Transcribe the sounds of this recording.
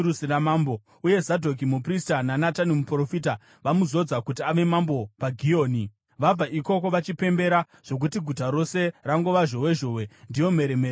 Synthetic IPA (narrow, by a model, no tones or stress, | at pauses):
usiramaːmbo | uje̞zadʱo̞k̬imupristananatanimupro̞fiːta | ʋamuzo̞d͡zakutiaʋe̞mambo̞paɡʱio̞ːni | ʋab͡vaʔiko̞ko̞ʋat͡ʃipe̞mbe̞ɾa | ʐ̥o̞k̬utiɡʱutaɾo̞se̞raŋɡo̞ʋaʒo̞we̞ʒo̞we̞ndijo̞me̞ɾemeɾ